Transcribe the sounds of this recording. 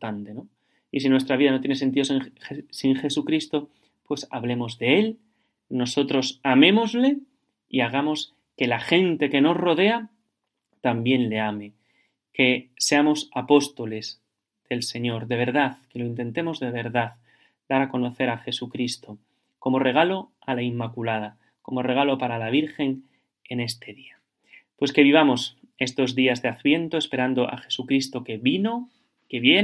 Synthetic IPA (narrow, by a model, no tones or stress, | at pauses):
ant̪e̞no | isinwe̞st̪ɾaβiðanot̪je̞nese̞nt̪iðoeŋsiŋxe̞sukɾist̪o̞ | pwe̞saβle̞mo̞zðe̞e̞l | no̞so̞t̪ɾo̞samẽ̞mo̞zle̞ | iaɣ̞amo̞s | ke̞laxe̞nt̪e̞ke̞no̞zro̞ðe̞a | t̪ambje̞nle̞ame̞ | ke̞se̞amo̞sapo̞st̪o̞le̞z | ð̥e̞lse̞ɲo̞ɾðe̞β̞e̞ɾðaðke̞loint̪e̞nt̪e̞mo̞zðe̞βe̞ɾðað | d̪̥aɾako̞no̞θe̞ɾaxe̞sukɾist̪o̞ | ko̞mo̞re̞ɣalo̞ | alaimːakulað̞a | ko̞mo̞re̞ɣ̞alo̞paɾalaβ̞iɾxe̞ŋ | e̞ne̞st̪e̞ðia | pwe̞ske̞βiβ̞amo̞s | e̞st̪o̞zðiazðeaθβje̞nt̪oe̞spe̞ɾand̪o̞ʔa̰xe̞̥sukɾist̪o̞keβino | ke̞βje